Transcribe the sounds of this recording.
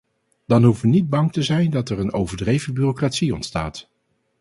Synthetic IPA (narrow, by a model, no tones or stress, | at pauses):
d̥ɑnɦufʋənid̚bɑŋtəzɛjndɑtɛrənowvəɹdrejvəbyːrokratsiɔ̰ntsta̰ːt